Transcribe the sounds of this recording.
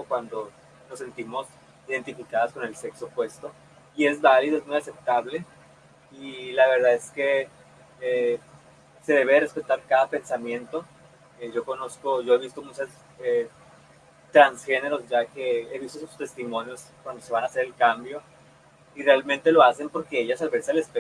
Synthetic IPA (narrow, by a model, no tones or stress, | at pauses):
okwand̪o̞ | lo̞se̞nt̪imo̞s | iðe̞nt̪ifikaðasko̞ne̞lse̞ksopwe̞st̪o̞ | ie̞zβaliðo̞e̞zmujase̞p̚t̪aβle̞ | ilaβe̞ɾðaðeske̞ | e | se̞ð̞e̞βe̞ðere̞spe̞t̪aɾkaðape̞nsamje̞nt̪o̞ | eʝo̞ko̞no̞sko̞ʝo̞e̞βist̪omut͡ʃas | e | t̪ɾansxe̞ne̞ɾo̞zʝake̞eβist̪osust̪e̞st̪imo̞njo̞skwand̪o̞se̞β̞anase̞ɾelkambjo̞ | irealmẽ̞nt̪e̞lo̞ase̞mpo̞ɾkeeʝasalβe̞ɾsealespe